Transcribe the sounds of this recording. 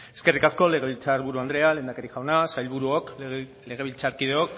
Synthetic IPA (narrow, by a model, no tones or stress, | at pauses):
e̞ske̞rikasko̞le̞ɣe̞βilt͡saɾβuɾuand̪ɾe̞ale̞ːnd̪akeɾiʝawnasajlβuɾuok | le̞ɣ̞e̞β̞ilt͡saɾkið̞eok